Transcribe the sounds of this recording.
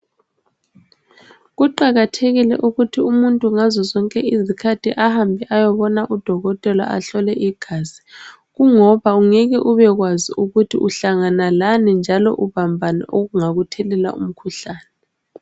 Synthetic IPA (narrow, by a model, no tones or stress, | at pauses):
ɣuǃaɣatʰeɣilɛ̰ʔuɣutʰiumuntʼuŋazɔzɔŋkʼɛizikʰatʰiʔahambʱiʔajɔβɔnaʔud̥ʱɔɣɔtʼɛla̰ʔa̰ɬɔlɛʔiɡ̥ʱaːzi̥ | ɣuŋɔβauŋɛɣɛʔuβɛɣwaziuɣutʰḭʔuɬaŋanalanind͡ʒʱalɔ̰ʔuβambʱanɛ̰ʔoɣuŋaɣutʰɛlɛla̰ṵm̩kʰuɬaːnɛ